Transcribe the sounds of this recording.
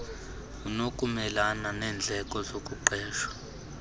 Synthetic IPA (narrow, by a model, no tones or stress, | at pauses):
unokʼumɛlananɛːnd͡ɮʱɛkʼɔzokʼuǃʱɛːʃwḁ